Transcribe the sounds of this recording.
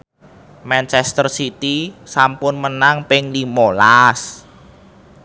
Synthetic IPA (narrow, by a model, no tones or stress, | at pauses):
mɛnt͡ʃɛst̪ərsit̪isampʊnmənaŋpɪŋlimolas